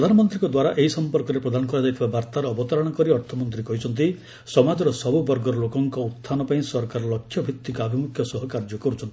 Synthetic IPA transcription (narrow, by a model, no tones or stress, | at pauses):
ɾɔd̪ʱanɔmɔnt̪ɾiŋkɔd̪waɾaʔeɦisɔmpɔɾkɔɾepɾɔd̪ʱanɔkɔɾad͡ʒajt̪ʰibabaɾt̪aɾɔːbɔt̪ɔɾɔɽ̃ɔkɔɾiɔɾt̪ʰɔmɔnt̪ɾikɔɦit͡ʃʰɔnt̪̬i | sɔmad͡ʒɔɾɔsɔbubɔɾɡɔɾɔlokɔŋkɔut̪ʰːanɔpaĩsɔɾkaɾɔlɔkʰːjɔbʱit̪ːikɔabʱimukʰjɔsɔɦɔkaɾd͡ʒɔkɔɾut͡ʃʰɔnt̪i